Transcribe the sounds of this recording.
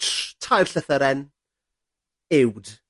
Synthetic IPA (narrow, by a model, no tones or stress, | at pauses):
tʰajrɬəθəɾɛn | ɪwd̥